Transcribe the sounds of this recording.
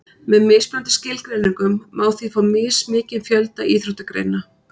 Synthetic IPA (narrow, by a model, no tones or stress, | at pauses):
mɛðmɪːspɾant̪ɪ̥scɪːlkɾejniŋkʏmːaːwθifawmɪːsmɪːcɪðfjœlt̪aiːθɾʏht̪akɾḛjna